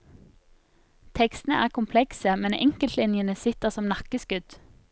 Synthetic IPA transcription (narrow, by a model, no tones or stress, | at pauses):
t̪ʰɛkst̪n̩ə̰ʔæːʁkʰʊmpʰlɛksəmɛnɛ̰ŋkəlt̪lɪnjənəsɪt̪əʁsɔmnɑkəsɡʉd̪̥